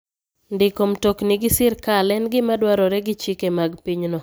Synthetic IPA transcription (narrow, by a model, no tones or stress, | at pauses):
ndɪkomtoknɪɡɪsɪɾkalɛnɡɪmadwaɾɔɾɛɡɪt͡ʃikemaɡpiɲnɔ